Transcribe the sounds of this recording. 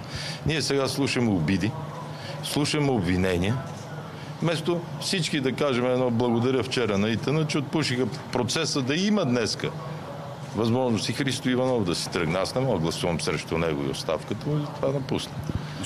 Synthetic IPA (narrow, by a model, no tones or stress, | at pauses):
niɛsɛɡaslˠuʃəmɛobid̪i | slˠuʃəmɛobvinɛniɛ | mɛst̪ofsit͡ʃkid̪ɐkaʒɛmɛːd̪nɔblˠɐɡod̪ɐɾʲjəft͡ʃɛɾənɐit̪ənət͡ʃɛot̪̚puʃixəpɾot̪sɛsəd̪ɐimɐd̪nɛskə̰ | vɐzmɔʒnʊsixɾist̪oivɐnɔvʊd̪ɐsi̥t̪ɾəɡnasnɛmɔɡəɡlˠɐsuvɐmsɾɛʃt̪ʊnɛɡʊ̰ḭo̰t̪st̪a̰fkət̪əmuizɐt̪ovanɐpusnə